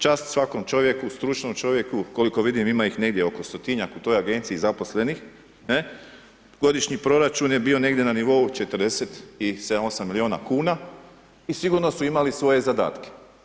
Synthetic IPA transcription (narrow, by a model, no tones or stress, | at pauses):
t͡ʃaːst̪sʋako̞mt͡ʃo̞ʋje̞kust̪ɾut͡ʃno̞mt͡ʃo̞ʋje̞kuko̞liko̞ʋid̪imimaixne̞ɡd̪jeo̞ko̞st̪o̞t̪iɲakut̪o̞jaɡe̞nt̪siːzapo̞sle̞nix | ne | ɡo̞d̪iʃɲipɾo̞ɾat͡ʃunje̞bio̞ne̞ɡd̪je̞naniʋo̞ut͡ʃe̞t̪ərɾd̪eset̪ised̪amo̞samːilioːna̰kuːna | isiɡuɾno̞suimalisʋo̞je̞zad̪a̰ːt̪ke̥